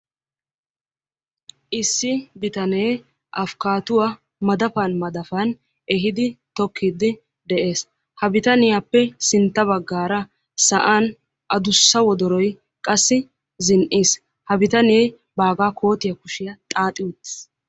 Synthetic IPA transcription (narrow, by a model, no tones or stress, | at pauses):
ʔɪsːɪbɪt̪ɐnej | ʔɐfkaːt̪ʊwa | mɐd̪ɐfɐnmɐd̪ɐfɐn | ɛɦɪd̪ɪt̪ɔkʰːiːd̪ɪ | d̪ɛʔe̞ːs | hɐbɪt̪ɐnɪjapːɛsɪnt̪ːɐβɐɡːaːɾɐ | sɐʔaːn | ʔɐd̪ʊsːɐwɔd̪ɔɾɔj | kʼɐsːɪ | zɪnʔiːs | hɐbɪt̪ɐnjɛː | baːɡaːkʰo̞ːt̪ɪjɐkʊʃɪjɐt̪ʼaːt̪ʼɪwʊt̪ːɪ̥s